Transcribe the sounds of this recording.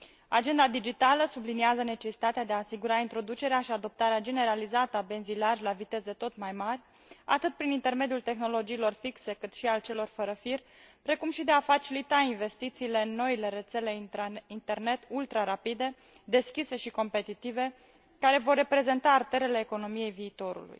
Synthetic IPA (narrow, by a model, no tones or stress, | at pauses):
ad͡ʒe̞nd̪ad̪id͡ʒit̪aləsubliniazəne̞t͡ʃe̞si̥t̪at̪ead̪eaːsiɡuɾaint̪ɾo̞d̪ut͡ʃe̞ɾeaʃiad̪o̞p̚t̪aɾead͡ʒe̞ne̞ɾalizat̪əabe̞nzilaʒʲlavit̪e̞ze̞t̪o̞t̪majmarʲ | at̪ɨt̪̚pɾinint̪e̞rme̞d̪ijult̪e̞xno̞lo̞d͡ʒiːlo̞rfikse̞kɨt̪ʃialt͡ʃe̞lo̞rfəɾəfirʲ | pɾe̞kumʃid̪eafat͡ʃilit̪ainve̞st̪it̪siːle̞ɨnːo̞ile̞ɾe̞t̪se̞le̞int̪e̞rne̞t̪ult̪ɾaɾapid̪e̞ | d̪e̞skʲise̞ʃiko̞mpe̞t̪it̪ive̞ | kaɾe̞vo̞rːe̞pɾe̞ze̞nt̪aːrt̪e̞ɾe̞le̞ːko̞no̞mije̞jviːt̪o̞ɾṵlṵj